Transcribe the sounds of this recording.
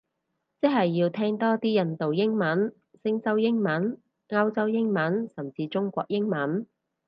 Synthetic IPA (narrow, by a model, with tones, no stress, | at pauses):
t͡sɪ˥ɦɐ˨jːiː˧wt̪ʰɛː˥ŋt̪ɔː˥t̪iː˥jɐ˧nt̪o˨wjɪ˥ŋmɐ˨˥n | sɪ˥ŋt͡sɐ˥wjɪ˥ŋmɐ˨˥n | ŋɐ˥wt͡sɐ˥wjɪ˥ŋmɐ˨˥nsɐ˨˩mt͡siː˧t͡sʊ˥ŋkʷɔ̰ː˧k̚jɪ˥ŋmɐ˨˥n